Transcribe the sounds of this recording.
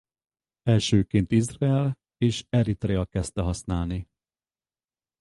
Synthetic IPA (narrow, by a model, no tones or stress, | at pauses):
ɛlʃøːkeːnt̪izraɛl | eːʃɛɾit̪ɾeɒkɛst̪ɛɦɒsnaːlni